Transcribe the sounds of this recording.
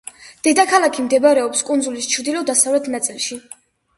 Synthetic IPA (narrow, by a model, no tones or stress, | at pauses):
d̪̥ɛd̪akʰalakʰimd̪ɛbɾɛɔpskʼund̪zulist͡ʃʰɾd̪ilɔd̪asavlɛt̪ʰnat̪sʼilˠʃi